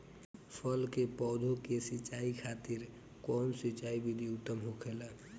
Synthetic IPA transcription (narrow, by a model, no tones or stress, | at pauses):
pʰəlkepɔːd̪ʱokesit͡ʃaikʰat̪iɾ | kɔnsit͡ʃaibid̪ʱiʊt̪ːəmɦokʰela